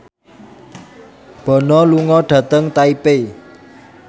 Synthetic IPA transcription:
b̥ɔ̤nɔluŋɔɖ̥ä̤t̪əŋt̪aipe

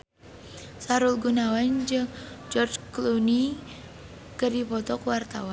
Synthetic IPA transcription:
saɾulɡunawand͡ʒɨŋd͡ʒɔrd͡ʒkluni | kərdipɔt̪ɔkwart̪awan

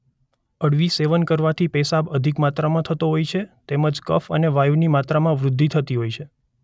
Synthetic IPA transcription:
əɽʋiseʋənkəɾʋat̪ʰipɛsabəd̪ʱikmat̪ɾamãt̪ʰət̪oɦojt͡ʃʰet̪eməd͡ʒkə̰fəneʋajunimat̪ɾamãʋɾʊd̪ʱːit̪ʰət̪iɦojt͡ʃʰe

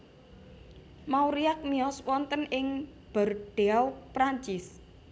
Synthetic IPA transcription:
mawɾiak̚miɔswɔnt̪ənɪŋ | b̥ə̤rɖ̪̥e̤awpɾaɲt͡ʃɪs

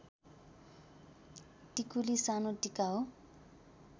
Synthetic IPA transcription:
tikulisanoʈikao

